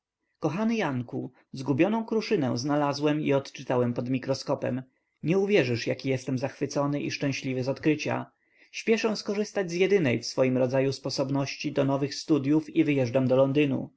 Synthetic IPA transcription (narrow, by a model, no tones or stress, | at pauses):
kɔxanɘjaŋku | zɡubʲɔnɔ̃w̃kɾuʂɘnɛ̰̃w̃znalazwɛmḭɔt̪t͡ʂɘt̪awɛmpɔd̪mʲikɾɔskɔpɛ̰m | ɲɛuvʲjɛʐɘʂjakʲijɛst̪ɛmzaxfɘt̪sɔnɘʔḭʂt͡ʂɛ̃ɕlʲivɘzɔt̪kɾɘt͡ɕa̰ | ɕpʲjɛʂɛw̃skɔʐɘst̪ad͡ʑʲzʲjɛd̪ɘnɛjfsfɔjimɾɔd̪zajuspɔsɔbnɔɕt͡ɕid̪ɔnɔvɘxst̪ud̪ʲjufivɘjɛʐdamd̪ɔlɔnd̪ɘnṵ